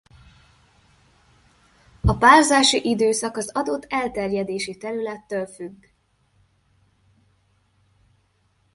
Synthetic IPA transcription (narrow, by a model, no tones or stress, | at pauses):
ɒpaːlzaːʃiʔid̪øːsɒkɒzɒd̪o̞t̪ːɛlt̪ɛrjɛd̪eːʃit̪ɛɾylɛt̪ːøːlfyɡː